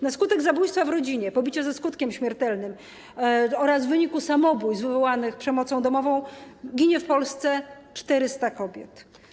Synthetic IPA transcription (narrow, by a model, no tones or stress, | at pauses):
naskut̪ɛɡzabujst̪favɾɔd͡ʑiɲɛpɔbʲit͡ɕazɛskut̪kʲɛmɕmʲjɛɾt̪ɛlnɘm | ɔɾazvɘɲikusamɔbujzvɘvɔwanɘxpʂɛmɔt̪sɔ̃w̃d̪ɔmɔvɔ̃w̃ɡʲiɲɛfpɔlst̪sɛt͡ʂt̪ɛɾɘst̪akɔbʲjɛt̪